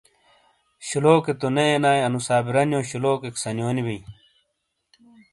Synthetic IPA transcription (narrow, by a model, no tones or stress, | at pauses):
ɕiloːket̪oneenaːjɐnusaːbiɾɐnijõːɕuloːkeksɐnjonibij